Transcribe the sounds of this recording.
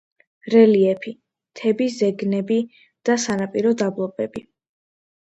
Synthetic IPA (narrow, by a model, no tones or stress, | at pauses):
ɾɛliɛpʰi | t̪ʰɛbizɛɡnɛbi | d̪̥asanapʼiɾɔd̪ablˠɔbʼɛbi